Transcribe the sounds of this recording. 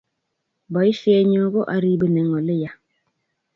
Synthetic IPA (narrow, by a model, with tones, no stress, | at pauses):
bɔ˨˦i˦fi˦ɛ˨ɲɔ˦ɡo˦ʔa˨ɾi˨bə˨nɛ˨ŋɔ˨le˦ja˨